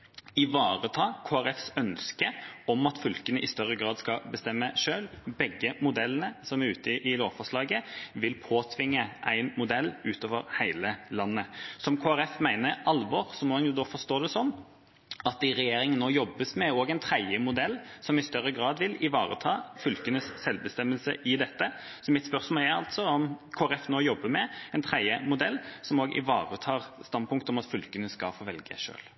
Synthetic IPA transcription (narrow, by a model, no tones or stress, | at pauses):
ɪʋɑːʁət̪ʰɑːkʰoːæɾɛfsœnskəɔmɑt̪fʏlkənəʔɪst̪œʁːəɡɾɑːd̪skɑbəst̪ɛmːəʂøːlbɛɡːəmʊd̪ɛlənəsɔmæɾʉːt̪əɪʔɪloːʋfɔʂlɑːɡəʋɪlpʰoːt̪ʰʋɪŋːəʔæɪnmʊd̪ɛlːʉːt̪oːʋəɾhæɪləlɑnːəsɔmkʰoːæɾɛfmæɪnəɾɑlʋɔʁsɔmɔhɑnjʊd̪oːfɔst̪oːd̪ɛsɔnː | ɑt̪ːɪɾɛjeːɾɪŋənːoːjɔbːəsmɛoːɡæɪnt̪ʰɾæɪəmʊd̪ɛlːsɔmɪst̪œɾːəɡʁɑːd̪ʋɪlɪʋɑːʁə̰t̪ʰɑːfʏlkənəsːɛlbəst̪ɛmːəlsə̰ʔɪd̪ɛt̪ːə | sɔmɪt̪spœʁsmɑlæɑ̰lt̪sɔɔmkʰoːæɾɛfnoːjɔbːəmɛɛɪnt̪ʰʁæɪəmʊd̪ɛlːsɔmoːɡʔɪ̰ʋɑ̰ːʁət̪ʰɑːʁst̪ɑnpʊŋkt̪əɔmɑt̪fʏlkənəskɑfoːʋɛlɡə̰ʂø̰ːl